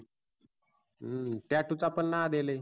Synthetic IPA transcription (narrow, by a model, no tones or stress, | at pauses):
ʈjaʈut͡sapəɳːad̪ele